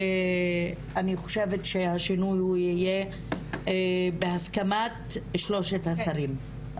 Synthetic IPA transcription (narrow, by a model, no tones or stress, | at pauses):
aniχo̥ʃevetʃehaʃinujhujije | behaskamatʃlo̞ʃethasaʁim